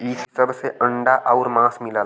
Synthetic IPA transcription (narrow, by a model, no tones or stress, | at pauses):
iːssəbseʔɐ̃ɳɖaʔaʊɾmãːsmɪlaː